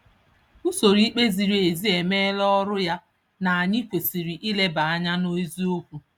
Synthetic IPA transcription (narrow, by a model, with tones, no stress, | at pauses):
u˦so˨ɾi˦k͡pe˦zi˨ɾi˨˦e˨zi˦e˨me˦lɔ˦ɾʊ˦ja˦ | na˨a˨ɲi˦kʷe˨si˨ɾi˨ʔi˦le˦ba˨a˦ɲa˦no˦i˦zi˦o˦kʷu˨